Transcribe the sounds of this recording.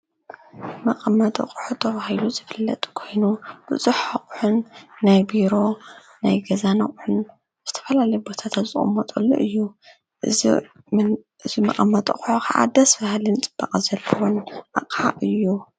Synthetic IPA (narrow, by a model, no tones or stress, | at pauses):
mɐqʼɐmːɐt̪ʼɐ̰qʼħut̪ʰɐβahiluzɨfɨlːɐ̰t̪ʼkʰo̞jnub̥ɨzuħaχʼħunːajbiɾo̞ | na̰jɡɐzanɐχʼħʊn | z̥ɨt̪ʰɐ̥fɐlalɐjubo̞t̪ʰat̪ʰazɨχʼɨmot̪ʼulːo̰ʔɨjːu | ʔɨ | ɨzimɐqʼɐmːɐt̪ʼɐχʼħokʰaʔa̰d̪ɐsfahlɨnt͡sʼɨb̥ːɐqʼzɐlːɐwonʔa̰qʼaʔɨjːu